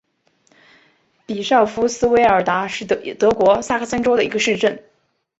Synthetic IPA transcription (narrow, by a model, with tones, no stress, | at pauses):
pi˨˩ʂɑ˥˩ʊfu˥sɹ̩˥we˧˥ɪə˞˨˩t̪a˧˥ʂɻ̩˥˩t̪ɤ˧˥kwɔ˧˥sa˥˩kʰə˥˩sə˥nʈ͡ʂo˥ʊd̪ə˨i˧˥ɡə˧ʂɻ̩˥˧ʈ͡ʂə˥˩n